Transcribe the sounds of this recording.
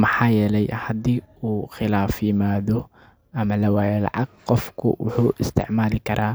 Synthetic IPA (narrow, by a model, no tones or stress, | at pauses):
mɑħɑːjɛːlɛjhɐd̪iːuːxɪlaːfjɪmaːðɔ | ʔɐmɐlɐwaːjɛlɑ̰ʕɑɡ̚qɔfkʰʊ̰wʊħuːʔɪst̪ʰɪ̰ʕmaːlɪkʰɐɾʔaː